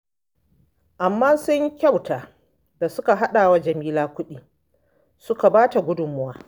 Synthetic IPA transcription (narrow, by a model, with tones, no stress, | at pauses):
ʔa˨mːaː˦sʊ˦ɲ˦kʲa˦˨wtaː˨ | da˨sʊ˦ka˨ɦa˦ɗaː˨wa˦d͡ʒɐ˨miː˦laː˦kʷʊ˦ɗiː˦ | sʊ˦ka˨baː˦ta˨ɡʷʊ˦dʊ˨mːʊ˦waː˦